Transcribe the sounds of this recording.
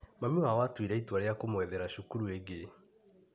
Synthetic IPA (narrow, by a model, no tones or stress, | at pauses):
mamiawatwiɾɛitwaɾeakomwɛðɛɾaʃukuɾueɡe